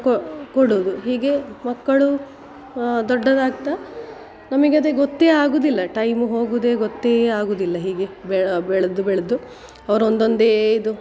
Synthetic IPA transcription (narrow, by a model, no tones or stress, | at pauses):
kkoɽuʋd̪uɦiːɡe̞mɐkːɐɭu | d̪ɔɖːɐd̪aːɡt̪a | nɐmɐɡeɐd̪eɡɔt̪ːeːaːɡuːd̪ilːɐʈɐjmuɦo̞ːɡud̪e̞ːɡot̪ːeaːɡuːd̪ilːɐɦiːɡe̞bbɛɭɐd̪ubɛɭɐd̪u | ɐʋɐɾond̪o̞nd̪eːid̪u